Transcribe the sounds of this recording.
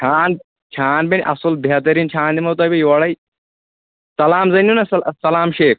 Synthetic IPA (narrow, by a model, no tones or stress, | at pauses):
t͡ʃʰaːn | t͡ʃʰaːnbʲɐnʲʔɐsulbʱeɐt̪ɐɾint͡ʃʰaːnd̪imɐwt̪ɐːjbʲejʋɐɽɐj | sɐlaːmzɐnunɐsɐlsɐlaːmʃeːk̚